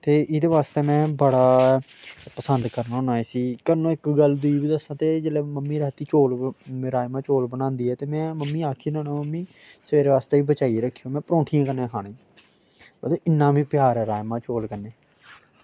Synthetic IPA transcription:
t̪eːʔɪd̪eːʋaːst̪eːmɛ̃ːbəɽaː | pəsənd̪kəɾnaːonaːeːsiːkəɾnõːɪkɡəld̪ʊiːbiːd̪əsãːt̪eːd͡ʒeːlɛːməmːiːɾɛːt̪iːt͡ʃoːlɾaːjmãːt͡ʃoːlbənãːnd̪iːɛːt̪eːmɛ̃ːməmːiːaːkʰiːnːnːməmːiː | səʋeːɾeːʋaːst̪eːiːbət͡ʃaːiɾəkʰːijõːmɛ̃ːpɾõːʈʰijãːkənẽːkʰaːɽẽː | bəd̪oːʔɪnːãːbiːpɪjaːɾɛːɾaːjmãːt͡ʃoːlkənːeː

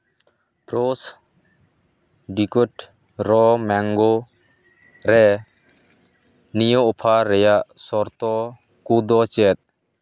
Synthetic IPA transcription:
pɾos | ɖikuʈ | ɾɔmɛŋɡo | ɾɛ | nijɔɔpʰaɾɛjaʔsɔɾt̪ɔ | kud̪ɔt͡ʃɛt̪̚

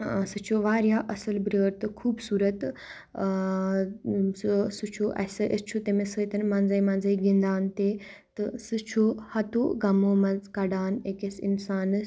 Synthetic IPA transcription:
sɨt͡ʃʰoʋaːɾjaːʔɐsɐlbɾəːɾt̪ɨkʰuːbsuːɾɐt̪ | sɨt͡ʃʰoʔɐ̰sɨʔest͡ʃʰut̪emesət̪ɐnmanzaimɐ̃nzɐiɡĩnd̪aːnt̪e | t̪ɨsɨt͡ʃʰohɐt̪oːɡɐmoːmɐnzkɐɖaːnekesḭnsaːnɨs

